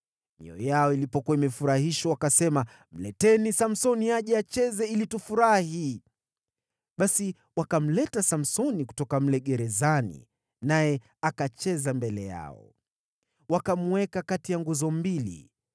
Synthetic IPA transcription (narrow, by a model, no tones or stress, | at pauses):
mḭɔ̰jaɔilipɔkuwaimɛfuɾahiʃwawakasɛma | m̩lɛtɛnisam̩sɔniaʄɛat͡ʃɛzɛilitufuɾahi | ɓasi | wakam̩lɛtasam̩sɔniku̥tɔkam̩lɛɠɛɾɛzanḭ | najɛ | akat͡ʃɛzambɛlɛja̰ɔ̰ | wakam̩wɛkakatijaŋɡuzɔmbilḭ